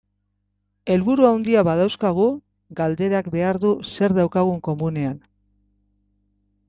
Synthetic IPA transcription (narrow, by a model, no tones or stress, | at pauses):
e̞lβuɾuawnd̪iaβaðawskaɣ̞u | ɡald̪e̞ɾakbe̞aɾðuse̞ɾðawkaɣ̞uŋko̞mune̞an